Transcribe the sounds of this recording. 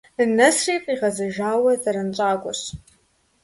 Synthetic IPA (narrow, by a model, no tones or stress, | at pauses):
ɨnɐsreːpʼiʁɐzɨʒaːwɐzaɾɐnt͡ʃʷʼaːɡʷʊɕ